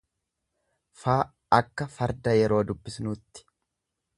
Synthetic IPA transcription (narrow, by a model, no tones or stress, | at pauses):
faː | ɐkːɐfɐɾd̪ɐjɛɾo̞ːd̪ʊbːɪsnʊːt̪ːɪ̥